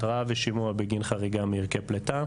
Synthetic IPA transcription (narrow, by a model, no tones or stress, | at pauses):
tʁaveʃimuabeɡinχaʁiɡamiʁkepleta